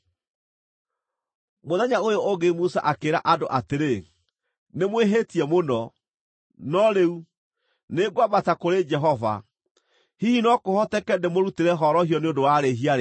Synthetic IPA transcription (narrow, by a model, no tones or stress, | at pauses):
moðɛɲaojooɡemusa̰ʔakeɾaʔadoʔateɾe | nemweɦetiɛmonɔ | nɔɾeu | neɡwamatakoɾed͡ʒɛɦɔva̰ | hihinɔkohɔtɛkɛndemoɾuteɾɛɦɔɾɔhijɔneondowaɾeɦiaɾe